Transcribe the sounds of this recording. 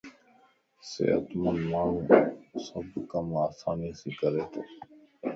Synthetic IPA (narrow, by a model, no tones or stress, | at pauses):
sḛːə̰t̪mənmaːɳ̤ũːsəbkəmaːsaːnisiːkəɾeːt̪ʰː